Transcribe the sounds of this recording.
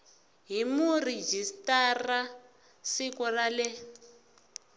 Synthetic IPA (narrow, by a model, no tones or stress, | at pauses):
ɦimurid͡ʒistara | sikɔralɛ